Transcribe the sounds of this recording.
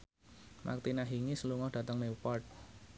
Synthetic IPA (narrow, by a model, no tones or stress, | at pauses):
mʔa̰k̚t̪inaɦiŋisəluŋɔhd̥ä̤t̪əŋlipɔrt̚